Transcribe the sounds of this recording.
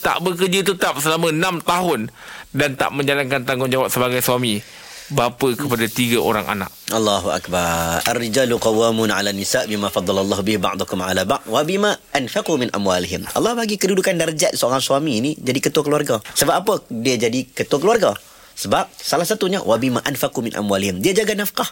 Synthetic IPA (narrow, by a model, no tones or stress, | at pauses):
t̪a̰ʔbək̬ərd͡ʒət̪ət̪ap̚səlamə̃nãmt̪aɦʊndant̪a̰ʔmə̃ɲd͡ʒalankant̪aŋɡʊnd͡ʒawap̚səbaɡajsuami | bapəkəpadat̪iɡaʔo̰ɾaŋʔa̰nã̰ʔ̚ʔɑlˤːɑɦuʔa̰kbaɾa̰rːid͡ʒaːlqɑwːamunʕa̰lanːisaʔbimãfɑd̪ˤːɑlalːˤɑɦubɪhba̰ʕd̪ˤukʊmʕa̰labaʔd̪wabimaʔanfaqumɪnʔa̰mwaːliɦɪmɑ̰lˠˤːɑhbaɡikədudukandarəd͡ʒat̪̚səoɾaŋsuamiːnid͡ʒadikət̪uakəluarɡasəbap̚apədiad͡ʒadikət̪uakəluarɡa | səbap̚salahsat̪uɲawʔabima̰ʔanfaqumɪnʔa̰mwaːlɪhɪmdiad͡ʒaɡanafqah